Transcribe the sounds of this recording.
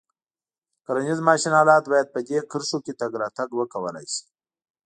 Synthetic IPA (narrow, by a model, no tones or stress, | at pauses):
kaɾanizmɑʃinɑːlɑt̪bɑjad̪̚pəd̪ekəɾsoket̪aɡɾɑt̪aɡwəkawəla̰jsi̥